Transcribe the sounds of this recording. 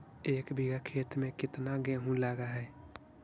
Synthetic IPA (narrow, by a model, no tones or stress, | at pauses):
eːkbʱiɡakʰeːt̪mẽkɪt̪naɡɛ̃ɦũlaːɡaɦɛː